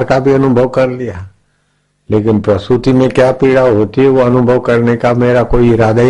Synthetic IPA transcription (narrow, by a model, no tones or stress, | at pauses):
ɾkabʱiɐnʊbʱəʋkɐɾlija | leːkɪnpɾɐsut̪imẽkjaːpiːɽaɦoːt̪iɦɛʋoɐnʊbʱəʋkɐɾnekameːɾakoːiɪɾaːd̪aɦ